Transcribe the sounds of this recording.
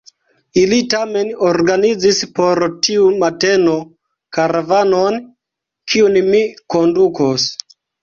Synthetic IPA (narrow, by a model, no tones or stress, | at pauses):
ilitame̞noɾɡanid͡zispo̞ɾtʰiumate̞no̞ | kaɾavanon | kʰiunmikondukos